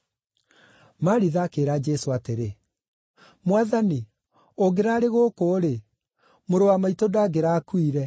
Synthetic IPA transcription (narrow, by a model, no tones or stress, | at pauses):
maɾiðaːkeɾaːd͡ʒɛsoateɾe | mwaðani | oɡeɾaːɾeɣokoːɾe | moɾowamaitodaːɡeɾaːkwiɾɛ